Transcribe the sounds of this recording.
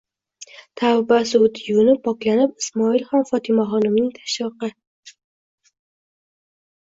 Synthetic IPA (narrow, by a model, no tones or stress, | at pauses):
t̪ʰawbasʊt̪ʰjunɪpʰɒklanɪpɪsmɒɪlχɒnfɒt̪ʰɪmaχɒnɪmnɪŋt̪ʰḁʃɒqɨ